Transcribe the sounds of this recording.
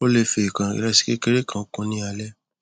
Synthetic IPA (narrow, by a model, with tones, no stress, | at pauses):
o˦le˧fi˧˨kã˨ḭ˨ɾɛ˧˦si̥˦ke˦ke˦ɾe˦kã˦˨o˨˦kũ˧˦nĩ˦a˧lɛ˦